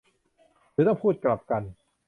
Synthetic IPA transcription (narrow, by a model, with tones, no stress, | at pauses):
t̪ʰɯː˨˦t̪ɔ˥˩ŋpʰuː˥˩t̪̚kla˨˩p̚ka˧n